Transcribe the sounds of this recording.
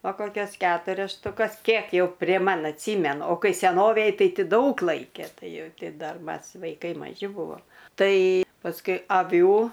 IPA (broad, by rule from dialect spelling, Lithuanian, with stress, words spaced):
ɐ ˈkoːkʲɛs ˈkʲæːtʊrʲɛs ʃtʊˈkɐs ˈkʲiɛk jɛʊ pʲrʲiɛ ˈmɐn ɐtʲˈsʲiːmʲɛnʊ oː ˈkɐɪ sʲɛˈnoːʋʲeːj ˈtɐɪ ˈtʲɪ ˈdɐʊk ˈlˠɐɪkʲɛ ˈtɐɪ ˈjɛʊ ˈtʲɪ ˈdɐr ˈmɐs ʋɐɪˈkɐɪ mɐˈʒʲɪ ˈbʊʋoːm ˈtɐɪ pɐsˈkʊɪ ɐˈʋʲuː